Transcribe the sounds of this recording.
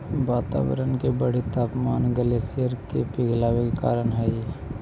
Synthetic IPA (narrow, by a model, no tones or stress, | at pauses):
ʋaːt̪a̰ːwə̰ɾənkebəɽ̤it̪aːpmaːnɡəleːsijəɾkepɪɡʱlaːwekeka̰ːɾənɦɛi